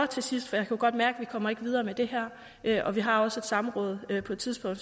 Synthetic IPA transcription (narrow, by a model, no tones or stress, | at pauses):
ɒ̽t͡sʰe̝sisd̥fɒjɑ̈ɪkʰæɡ̥ɒ̽d̥mæɐɡ̥əʋikʰɒ̽m̰ɐe̝ɡ̥ʋið̞ˠɐːmed̥e̝hæɐ̰ | ʔøʔɒ̽ʋiɦɑ̈ɒ̽səe̝d̥sɑ̈m̩ʁɔ̽ːð̞ˠøpʰɒ̽d̥t͡sʰiðˠsb̥ɔ̽ŋ̰̥